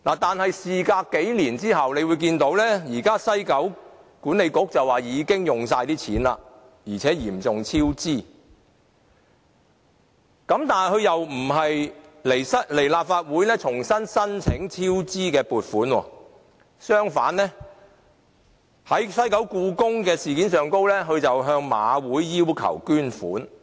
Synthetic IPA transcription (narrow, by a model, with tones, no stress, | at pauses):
naː˨˩t̪aː˨nhɐ˨jsiː˨kaː˧kke˨˥jliː˨˩nt͡siː˥hɐ˨wne˨˧jwuː˨˧jk̬iː˧nt̪o˨˥wlɛː˥jiː˨˩kaː˥sɐ˥jkɐ˨˥w | kuː˨˥nle˨˧jkʊ˨˥k̚t͡sɐ˨˩waː˨˩jiː˨˧˥kɪ˥ŋjʊ˨ŋsaː˧jt̪iː˥t͡sʰiː˨˥nla̰ː˧ | jiː˨˩t͡sʰɛː˨˥jiː˨˩mt͡sʊ˨ŋt͡sʰiː˥wt͡siː˥˩ | kɐ˨˥mt̪aː˨n˨jhɵ˨˧ɥjɐ˨wm̩˨˩ɦɐ˨jle˨˩jsɐ˥le˨˩jlaː˨p̚faː˧t̚wuː˨˥jlɛː˥t͡sʰʊ˨˩ŋsɐ˥nsɐ˥nt͡sʰɪ˨˥ŋt͡sʰiː˥wt͡siː˥kɛː˧puː˨t̚fuː˨˥nwɔ̰ː˧ | sœː˥ŋfaː˨˥nlɛː˥ | hɐ˨˥jsɐ˥jkɐ˨˥wkuː˧kʊ˥ŋkɛː˧siː˨kiː˨˥nsœː˨ŋko˥wlɛː˥ɦɵ˨˧t͡sɐ˨wɦœː˧ŋma̰ː˨˧wuː˨˥jːiː˥wkʰɐ̰˨˩wkyː˥nfuː˨˥n